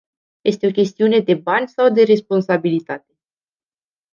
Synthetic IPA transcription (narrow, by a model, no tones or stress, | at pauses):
je̞st̪eo̞k̬ʲe̞st̪iune̞d̪e̞banʲsawd̪e̞ɾe̞spo̞nsabilit̪at̪e̞